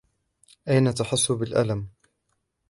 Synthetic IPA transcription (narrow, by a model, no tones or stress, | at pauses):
ʔajnat̪aħʊsːʊbɪlʔa̰lam